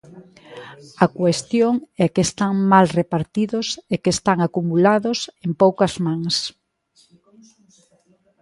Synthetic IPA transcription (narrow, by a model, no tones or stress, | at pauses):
ɐkwest̪joŋɛkest̪aŋmalrepaɾt̪iðʊsekeːst̪aŋakumulaðʊsempowkɐzmaŋs